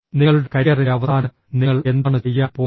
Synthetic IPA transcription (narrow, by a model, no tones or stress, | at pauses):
niŋːɐɭuɽekɐɾiɐrieɐʋɐsaːnɐ | niŋːɐɭe̞nd̪aːɳɨt͡ɕejːaːpoː